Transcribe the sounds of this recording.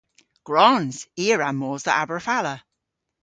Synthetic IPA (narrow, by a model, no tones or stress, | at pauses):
ɡ̥ɹɔnz̥iːəɹamːɔːzðə̰ʔabɹəfalə